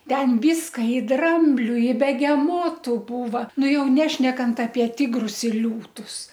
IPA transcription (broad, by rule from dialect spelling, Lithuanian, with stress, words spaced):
ˈtʲɛn ˈʋʲiːskɐ ɪ ˈdrɐmʲbʲlʲʊ ɪ bʲɛɡʲɛˈmoːtʊ ˈbuːʋɐ ˈnʊ ˈjɛʊ ˈnʲæːʃʲnʲɛkɐnt ɐpʲiɛ ˈtʲɪɡrʊs ɪr ˈlʲuːtʊs